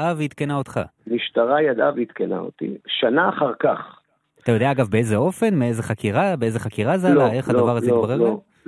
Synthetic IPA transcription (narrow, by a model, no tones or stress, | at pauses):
avit̪kenaot̪χa̰ | miʃtaʁajad̪avit̪kena̰o̰t̪ḭʃanaːχaʁkaχ | at̪ajo̞d̪eaaɡavbe̞e̞zeo̞fe̞nmeezeχakʰiʁabeezeχakiʁazealae̞χhaddavaʁazeiobaʁeo